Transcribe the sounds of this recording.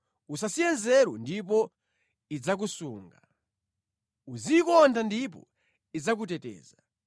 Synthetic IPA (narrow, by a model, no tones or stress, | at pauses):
usasijɛnzɛɾwɔ̰ndipɔ | id͡zak̬usuːŋɡa | uzikɔntʰandip̬ɔ̰ | id͡zak̬utɛtɛ̰ːza